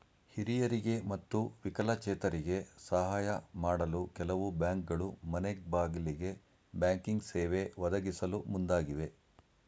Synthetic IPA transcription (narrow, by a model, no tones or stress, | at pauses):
hiɾijɐɾiɡe̞mɐt̪ːuʋikɐlɐt͡ʃɛːt̪ɐɾiɡe̞sɐɦaːjɐmaːɽɐlukɛlɐʋubjaːŋk̚ɡɐɭumɐneɡ̚baːɡiliɡe̞ | bjaːŋkiŋɡseːʋeʋɐd̪ɐɡisɐlumund̪aːɡiʋe̞